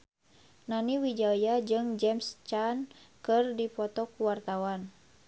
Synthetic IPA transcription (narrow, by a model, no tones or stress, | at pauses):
naniwid͡ʒajad͡ʒɨŋd͡ʒɛmst͡ʃankɨrdipɔt̪ɔkuwart̪awan